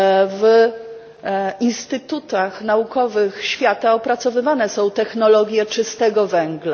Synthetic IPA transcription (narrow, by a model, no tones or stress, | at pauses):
v | inst̪ɘt̪ut̪axnaukɔvɘxɕfʲjat̪aɔpɾat̪sɔvɘvanɛsɔ̃w̃t̪ɛxnɔlɔɡʲjɛt͡ʂɘst̪ɛɡɔvɛŋɡla